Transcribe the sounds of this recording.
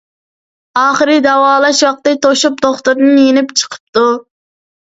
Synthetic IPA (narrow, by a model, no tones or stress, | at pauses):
ɑːχəɾɨd̪ɛwɑːlˠɑʃwɑq̚t̪ɨt̪ʰoʃup̚d̪oχt̪uɾnɨnjenɪpt͡ʃʰə̥qʰə̥p̚t̪u